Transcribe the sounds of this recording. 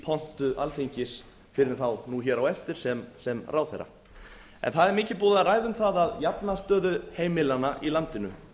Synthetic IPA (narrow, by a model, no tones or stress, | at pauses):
pʰɔn̥t̪ʏʔalθeɲcɪs | fɪɾɪnθawnuçɛːɾawɛft̪ɪɾ̥sɛmsɛmraːwθɛ̰ɾːa̰ | ɛ̰nθaðɛɾmɪːcɪpɔːðaraːjðʏmθaðaðjapnast̪œːðʏheːjmɪlanaʔilant̪ɪnʏ